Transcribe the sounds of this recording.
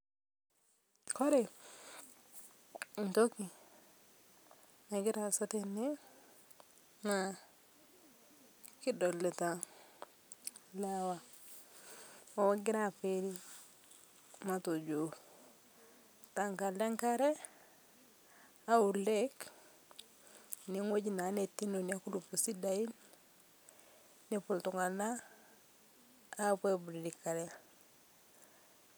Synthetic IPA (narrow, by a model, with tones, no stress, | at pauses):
ko˦ɾe˨ | n˨to˦ki˨ | na˨ɡi˦ɾa˨so˦tenːe˦ | na | ki˦do˨le˨ta | lawa˨ | o˨wa˦ɡɪ˦ɾa˨feɾi˦ | mato˨d͡ʒo | taŋka˨de˦ŋkaɾe˦ | au˨ɾlek | niŋwo˦ɟina˨netːi˦noniaku˦dupusi˦dain | nipu˨ltu˨ŋa˨na˦ | pebuɾi˨dika˨ɾe